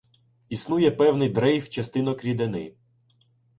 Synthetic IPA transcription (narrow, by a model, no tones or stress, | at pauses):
isnujɛpɛwnɪjd̪ɾɛjft͡ʃɐst̪ɪnɔkɾʲid̪enɪ̰